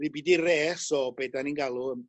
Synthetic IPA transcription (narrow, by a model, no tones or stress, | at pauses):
ɾibidirɛːsɔbedaninɡalˠʊəm